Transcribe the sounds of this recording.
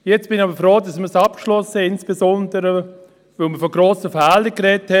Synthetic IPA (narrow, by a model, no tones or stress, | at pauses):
jɛt͡sb̥ɪniɑbəfɾoːdɑsməsɑp̚kʃlɔsəɪnsb̥ezɔndəɾə | vɪlməfɔɡɾoːsəfɛːləkrɛthɛ